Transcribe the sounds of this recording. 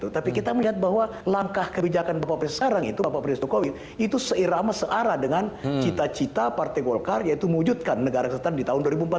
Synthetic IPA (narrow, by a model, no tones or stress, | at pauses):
t̪ut̪apikit̪aməliɦat̪̚baɦwa | laŋkahkəbid͡ʒakanbapaʔpɾɪnsə̥kaɾaŋḭt̪uapapɾɪnst̪okowin | it̪usəʔiɾamasəʔaɾadəŋant͡ʃit̪at͡ʃit̪apart̪ɛjɡolkarjait̪uməwud͡ʒut̪̚kanːəɡaɾakəst̪andit̪aɦʊnduaɾibumpat̪